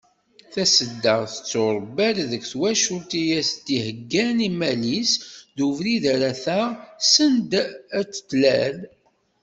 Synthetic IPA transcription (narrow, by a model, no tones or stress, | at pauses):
θæsəd̪ːəʁθə̥t͡sːoɾˤbælðəkʷθwæʃʊlt̪ijæst̪ihəɡːænimælisðuvɾiðæɾæθæsənd̪æt͡sːə̥t̪ːlæl